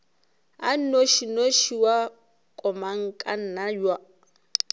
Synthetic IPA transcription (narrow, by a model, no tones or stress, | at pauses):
a̰n̩noʃinoʃiwa | kʼɔmaŋ̩kʼan̩najwa